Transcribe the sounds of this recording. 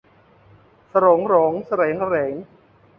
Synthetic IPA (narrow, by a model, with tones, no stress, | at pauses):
sa˧ɾo˨˩˦ŋɾo˨˦ŋsa˧ɾɛː˩˦ŋsa˧ɾeː˩˦ŋ